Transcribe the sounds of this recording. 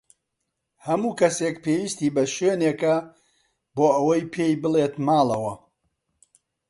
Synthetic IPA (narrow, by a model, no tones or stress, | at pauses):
hɐmuːkɐsekpʰeːwist̪iːbɐʃweːneːkɐ | boːʔɐwɐjpʰeːjbɨlet̪maːlɐwɐ